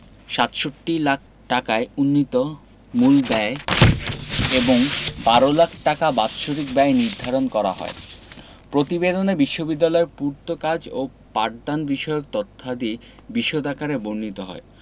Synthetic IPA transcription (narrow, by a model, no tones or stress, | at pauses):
ʃat̪ʃoʈːilak̚ʰ | ʈakaeunːit̪o | mulbɛe | eboŋbaɾolakʰʈakabat̪ʃoɾik̚bɛeniɾd̪ʱaɾonkɔɾa̰ɦɔ̰e | pɾot̪ibed̪onebiʃːobid̪ːalɔeɾpuɾt̪okad͡ʑo̰ | paʈ̚d̪anbiʃɔeokt̪ɔt̪ʰːad̪i | biʃːod̪ʱakaɾebonnit̪oɦɔ̰e